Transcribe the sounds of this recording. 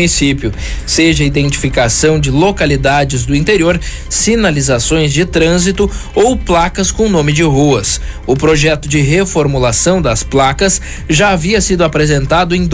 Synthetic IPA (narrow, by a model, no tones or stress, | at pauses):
nisipʊ | seʒɐid̪ẽnt͡ʃi̥fikasɐ̃w̃d͡ʒɪlokalid̪ad͡ʒɪzd̪ʊĩnt̪eɾioɾ | sinalizasõj̃zd͡ʒɪt̪ɾɐ̃zit̪ʊowplakɐskõw̃nõmɪd͡ʒɪɦuɐs | ʊpɾoʒɛt̪ʊd͡ʒɪɦefoɾmulasɐ̃w̃d̪ɐsplakɐs | ʒaːviɐsid̪ʊapɾezẽnt̪ad̪ʊẽd̪